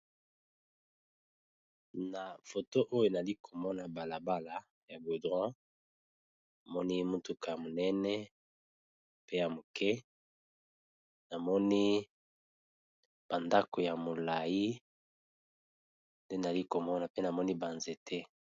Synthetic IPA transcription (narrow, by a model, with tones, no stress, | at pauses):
na˨fo˨to˦ʔo˦jo˨na˨li˦kʰo˨mɔ˦na˨ba˨la˨ba˦la˨ | ja˨bo˨dʁwã˦ | a˨mɔ˦ni˦mo˦tu˨ka˨ja˨mo˨nɛ˦nɛ˦ | pe˦ja˨mo˨kɛ˦ | na˨mɔ˦ni˦ | b̥a˨nda˦ko˨ja˨mo˨la˨ji˦ | nde˦na˨li˦ko˨mɔ˦na˨pe˦na˨mɔ˦ni˦ba˨nze˨tʰɛ˦